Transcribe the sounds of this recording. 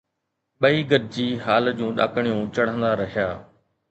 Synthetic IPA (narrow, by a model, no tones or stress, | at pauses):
ɓɐiːɡəɾd͡ʑiːɦaːld͡ʑũːɗa̰ːkʰəɽ̃ijũːt͡ɕɐɽ̤ə̃nd̪aːɾɐɦijaː